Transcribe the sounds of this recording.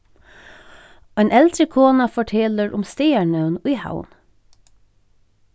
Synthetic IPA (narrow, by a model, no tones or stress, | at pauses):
oːeːnʔɛld̪ɾəkʰoːnɑfɔʈʰɛːləɹʔʊmst̪eːæɳœʉniːha̰ʊn